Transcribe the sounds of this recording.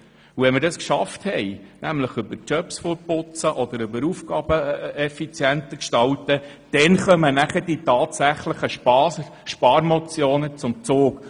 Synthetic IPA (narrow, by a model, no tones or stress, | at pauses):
uvɛnməɾdɑskʃɑfthɛjnʔæmləχʏbəɾt͡ʃœpsfopʊt͡səʔɔd̪əɾʏbəɾufɡɑːb̥əɛfit͡sjænt̪əkʃtɑwtə | d̥ɛnχœmənæχəd̥itɑːt̪sæχləχə | ʃpɑːɾmɔt͡sjoːnət͡sʊmt͡soːk